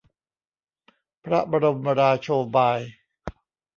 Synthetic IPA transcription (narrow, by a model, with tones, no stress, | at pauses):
pʰɾa˦˥ba˧ɾo˧mːa˧ɾaː˧t͡ɕʰoː˧baː˧j